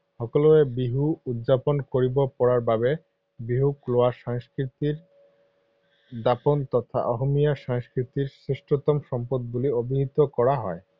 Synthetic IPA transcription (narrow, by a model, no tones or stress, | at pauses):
hɔkoloebiɦuud̪d͡ʑaponkoɾibopɔɾaɾbabe | biɦukloaʃaŋskɾit̪iɾ | d̪apont̪ɔt̪ʰa̰ʔɔɦomijaʃaŋskɾit̪iɾsɾeʃʈɾot̪omʃɔmpod̪̚buliobiɦit̪okɔɾaɦɔe